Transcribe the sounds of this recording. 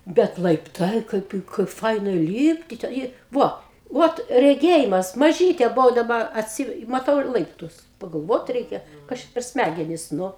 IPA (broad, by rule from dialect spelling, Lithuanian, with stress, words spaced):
ˈbʲɛt lˠɐɪpˈtɐɪ ˈkɐɪp kɐɪp ˈfɐɪnɐ ˈlʲiːpʲtʲɪ tʲɛ ˈjiɛ ˈʋoː ˈʋoːt rʲɛˈɡʲeːjɪmɐs mɐˈʒʲiːtʲeː bʊˈʋɐʊ dɐˈbɐ ɐtʲˈsʲiː mɐˈtɐʊ ɪr ˈlˠɐɪptʊs pɐɡɐlˠˈʋoːt ˈrʲɛɪkʲɛ ˈkɐs t͡ʃʲɛ pʲɛr ˈsʲmʲæɡʲɛnʲɪs nʊ